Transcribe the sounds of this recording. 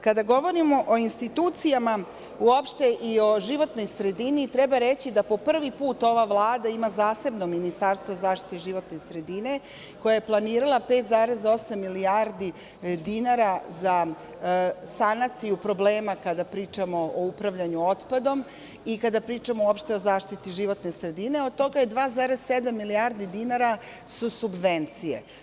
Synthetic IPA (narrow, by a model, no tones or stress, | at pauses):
kad̪aɡo̞ʋo̞ɾimo̞ʔoinst̪it̪uːt̪sijama | uopʃt̪e̞ʔio̞ʒiʋo̞t̪no̞jsɾe̞d̪init̪ɾɛbaɾet͡ɕid̪apo̞pr̩ʋipuːt̪o̞ʋaʋlˠaːd̪aimazaːse̞bno̞minist̪aɾst̪ʋozaːʃt̪i̥t̪eʒiʋo̞t̪ne̞sɾe̞d̪ine̞ | ko̞jajeplˠaniːɾalˠapeːt̪zaːɾe̞zo̞samːiliaɾd̪i | d̪inaːɾaza | sanat̪sijupɾo̞bleːmakad̪apɾiːt͡ʂamooupɾaʋʎaɲuot̪pad̪o̞m | ikad̪apɾiːt͡ʂamoopʃt̪e̞ozaːʃt̪it̪iʒiʋo̞t̪nesɾe̞d̪ine̞o̞d̪̚t̪o̞ɡajed̪ʋaːzaːɾez̥sed̪amːilijaːɾd̪id̪inaɾa | susubʋent̪sijḛ